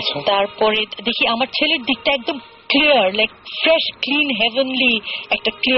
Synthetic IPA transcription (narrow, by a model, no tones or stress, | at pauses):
t̪aɾpɔɾed̪ekʰiamaɾt͡ɕʰeleɾd̪ik̚ʈaɛk̚d̪om | kliəɾlajkfɾɛʃklinɦɛvenliɛk̚ʈakli